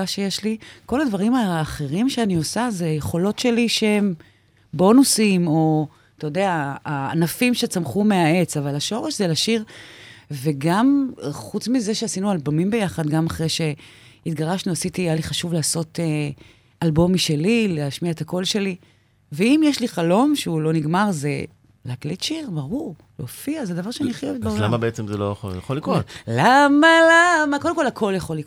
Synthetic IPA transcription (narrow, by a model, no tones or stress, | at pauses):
aʃejeʃliko̞ladvaʁimaːχe̞ʁimʃeanio̞sazeajeχo̞lo̞tʃe̞liʃeem | bo̞nusimo̞ | t̪ajod̪eaa̰ːnafimʃet͡samχumeae̞t͡savalaʃo̞ʁeʃzelaʃiʁ | ve̞ɡamχut͡smize̞ʃeasinualbomimbe̞jaχad̪ɡamaχʁejʃe | it̪ɡaʁaʃnuasitijaliχaʃuvlaːso̞te | albo̞miʃe̞lileaʃmiaet̪ako̞lʃe̞li | veimjeʃliχalo̞mʃeulo̞niɡmaʁze | laaklitʃiʁbaʁuʁ | lofiazed̪avaʁʃeaniaχjovetbellamabeet͡semzelojoja̰χolːikʁotlamalamakodemkolhakʰo̞ljaχo̞lːiko